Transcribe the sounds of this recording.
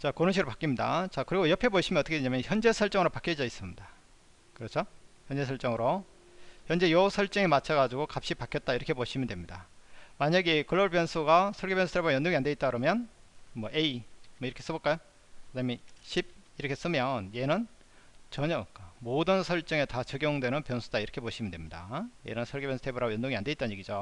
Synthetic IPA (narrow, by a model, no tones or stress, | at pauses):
t͡ɕakoɾɯnɕʰiɡɯɾɭpak͈imɲidat͡ɕakɯɾiɡojʌpʰe̞boɕʰimʌnʌt͈ʌkeeɲamjʌnçjʌnd͡ʑe̞sʰʌɭt͡ɕ͈ʌŋɯɾopak͈ʰjʌd͡ʑʌis͈ɯmɲid̥a | kɯɾʌt͡ɕʰoçjʌnd͡ʑe̞sʰʌɭt͡ɕ͈ʌŋɯɾo | çjʌnd͡ʑe̞jʌsʰʌɭt͡ɕ͈ʌŋemat͡ɕʰaɡad͡ʑuɡokap̚ɕ͈ipakʰjʌt̚t͈aiɾʌkʰepoɕʰimjʌndwemɲidamaɲaɡekɯɭːʌɭbʌnsʰuɡasʰʌɭɡebjʌnsʰut̪ʰebajʌndoŋiande̞it͈̚aɯɾomjʌnmʌʔeimwʌiɾʌkʰe̞s͈ɯbʌt̚k͈ajo | kedaɲimeɕʰib̚iɾʌkʰe̞s͈ɯmjʌnje̞nɯn | t͡ɕʌɲʌk͈modɯnsʰʌɭt͡ɕ͈ɯŋe̞tat͡ɕɯɡjʌŋdwe̞nɯnpjʌnsʰud̥aiɾʌkʰe̞poɕʰimɯndwe̞mɲida̰je̞̰nɯnsʰʌɭɡebjʌsʰtʰebuɾaɡojʌndoŋiande̞it͈anɲjeɡid͡ʑo